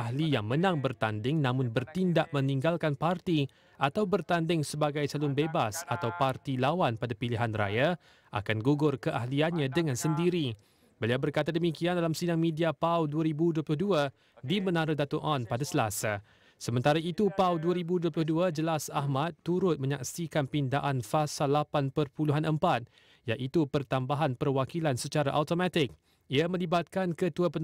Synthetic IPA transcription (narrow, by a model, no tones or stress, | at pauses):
aɦlijaŋmə̃nãŋbərt̪andɪŋnãmʊ̃nbərt̪indaʔmə̃nĩŋɡalkanpart̪i | ʔat̪awbərt̪andɪŋsəbaɡajt͡ʃalʊnbebasat̪awpart̪ilawanpadapiliɦanra̰ja | ʔa̰kanɡuɡʊrkəʔahlianɲãdəŋãnsəndiɾi | bəliawbərkat̪adəmikiandalamsidaŋmĩdiapawduaɾibuduəplʊhdua | dimənãɾadat̪oʔɔnpadasəlasa | səmənt̪aɾait̪upawduaɾibuduəplʊhduad͡ʒəlasaɦmat̪ːuɾʊt̪̚mə̃ɲa̰ksikanpindaʔanfasalːapanpərpuluɦanʔəmpat̪̚ | jaʔit̪upərt̪ambaɦanpərwakilansət͡ʃaɾaʔat̪omãt̪ɪk̚ | iamə̃libat̪̚kankət̪uapən